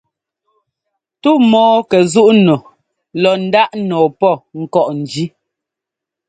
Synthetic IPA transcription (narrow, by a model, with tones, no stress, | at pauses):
tu˦˨mɔː˦kɛ˨zu˦ʔno˨ | lɔ˨n̩˦da˦ʔnɔː˨pɔ˦˨ŋ̩˨kɔ˦˨ʔn̩˨d͡ʒi˦